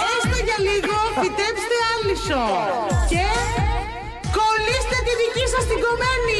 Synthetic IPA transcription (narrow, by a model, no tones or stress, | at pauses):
est̪eʝɐliɣo̞pit̪epst̪eɐlisoce | kolist̪et̪iðicisɐst̪iɡo̞meni